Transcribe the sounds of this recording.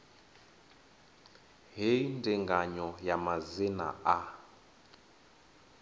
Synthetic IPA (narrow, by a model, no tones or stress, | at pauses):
ɦeindiŋɡaɲɔjamazina̰ʔa